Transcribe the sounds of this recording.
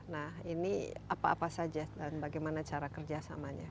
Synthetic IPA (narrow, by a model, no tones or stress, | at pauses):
nahiniapaːpasad͡ʒadanbaɡajmanat͡ʃaɾakərd͡ʒasamaɲa̰